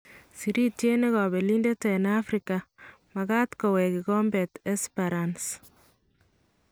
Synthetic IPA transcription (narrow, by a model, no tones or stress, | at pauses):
siɾitjeneɣabelindetenafɾika | mɐɣat̪kɔwɛkiɡɔmbɛtɛspaɾans